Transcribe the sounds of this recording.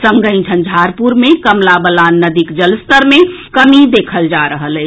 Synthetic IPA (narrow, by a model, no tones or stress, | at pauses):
səŋɡəɪ̃nd͡ʒʱʰə̃nd͡ʒʱaɾpuɾmekəmlabəlanːəd̪ikd͡ʒəlst̪əɾmekəmid̪ekʰəld͡ʒaɾəɦələ